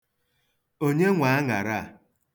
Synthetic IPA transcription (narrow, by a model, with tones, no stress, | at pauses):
o˦ɲe˦ŋʷa˨a˦ŋa˨ɾa˦˨